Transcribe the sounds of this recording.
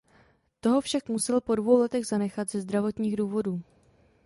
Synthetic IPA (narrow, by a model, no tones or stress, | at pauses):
t̪o̞ɦo̞fʃakmusɛlpo̞dvo̞wlɛt̪ɛɣzanɛxat̪z̥ɛzd̪ɾavo̞t̪ɲiːɣduːvo̞duː